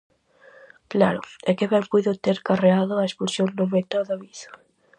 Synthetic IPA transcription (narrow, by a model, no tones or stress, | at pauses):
klaɾʊ̰ɛkɪβɛŋpujðʊt̪eɾkareaðʊaespulsjoŋnʊmet̪oðaβiθḁ